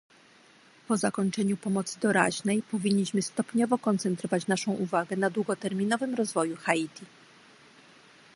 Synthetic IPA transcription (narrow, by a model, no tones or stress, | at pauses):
pɔzakɔɲt͡ʂɛɲupɔmɔt̪sɘd̪ɔɾa̰ʑnɛjpɔvʲiɲːiɕmɘst̪ɔpɲɔvɔkɔnt̪sɛnt̪ɾɔvat͡ɕnaʂɔ̃w̃ʔuvaɡɛnad̪wuɡɔt̪ɛɾmʲinɔvɘmɾɔzvɔjuxait̪ʲʰi